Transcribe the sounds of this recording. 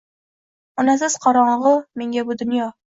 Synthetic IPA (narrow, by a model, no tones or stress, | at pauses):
ɒnas̬ɪz̥qʰɒɾɒɴʁɨme̞ŋɡʲabʊd̪ʊnjɒ